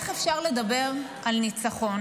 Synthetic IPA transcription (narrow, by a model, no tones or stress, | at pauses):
χefʃaʁle̞dabe̞ʁ | alnit͡saχo̞n